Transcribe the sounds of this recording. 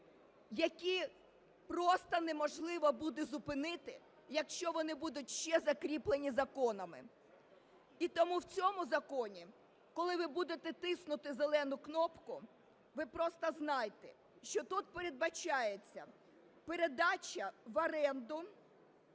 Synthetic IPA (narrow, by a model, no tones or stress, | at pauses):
jɐkʲi | pɾɔst̪ɐnemɔʒlˠɪʋɐbud̪ɪzʊpɪnɪt̪ɪ | jɐkʃt͡ʃɔʋɔnɪbud̪ʊt̚ʲʃt͡ʃɛzɐkɾʲiplˠenʲizɐkɔnɐmɪ̰ | it̪ɔmuwt͡sʲɔmʊzɐkɔnʲi | kɔlˠɪʋɪbud̪et̪ɛt̪ɪsnʊt̪ɪzelˠɛnʊknɔpkʊ | ʋɪpɾɔst̪ɐznɑjt̪ɛ | ʃt͡ʃɔt̪ut̪̚peɾed̪̚bɐt͡ʃɑjet͡sʲːɐ̰ | pe̞ɾed̪ɑt͡ʃɐʋɐɾɛnd̪ʊ